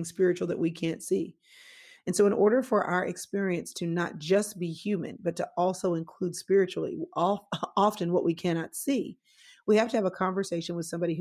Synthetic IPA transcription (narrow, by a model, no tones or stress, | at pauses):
ŋspɪɹɨt͡ʃul̩ˠðɨ̰ʔwikʰæ̃ntsi | ɨ̃nsoʊə̃nʔɔɹɾə˞fə˞ʔa̰ʊə˞ʔɨkspɪɹiɨ̃nstʰɨnə̰t̚d̥ʒ̥ʌsb̥ihjʉmɨ̰̃nbʌtʰəʔɔlˠsoʊɨ̃nkʰl̥ud̥spɪɹɨt͡ʃul̩ˠḭ | ɑfɨ̃nwʌʔwikʰæñɑtsi | wihæftɨːvəkʰɑ̃ɱvə˞seɪʃɨ̃nwɨð̥sʌ̃mbɑɾih